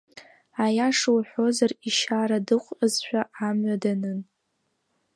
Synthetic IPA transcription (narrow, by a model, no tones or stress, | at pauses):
ajaʂɨwħʷo̞zariʃaːɾadɨqʷʼɨzħʷᶣaamɥadanɨn